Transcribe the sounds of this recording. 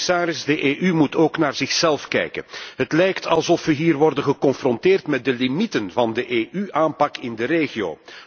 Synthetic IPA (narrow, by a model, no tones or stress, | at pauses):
saːɾɪzdəʔeːʔymutoːknaːrzɪxsɛlˠfkɛ̰jkə̰nɦətlɛjktʰɑlˠzɔfʋəɦiːrʋɔrdənɣəkɔnfrɔntɪːrtmɛt̚dəlimitənvɑndəʔeːʔyʔaːmpɑkɪndəreːɣio̰ː